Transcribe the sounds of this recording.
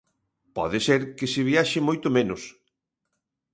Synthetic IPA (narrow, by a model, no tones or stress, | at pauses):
pɔ̰ðɪseɾkɪsɪβiaʃɪmojt̪ʊmẽnʊs